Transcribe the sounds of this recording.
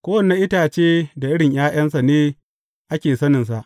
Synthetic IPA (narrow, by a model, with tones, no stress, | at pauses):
kʷoː˦wɐ˨nːe˦ʔɪ˦taː˨t͡ʃeː˦da˨ʔɪ˦ɽɪ˨ɲj̰aː˦j̰ɐ˦nsa˨neː˦ | ʔa˦kʲeː˨sɐ˦nɪ˨ns̬a˨ʔ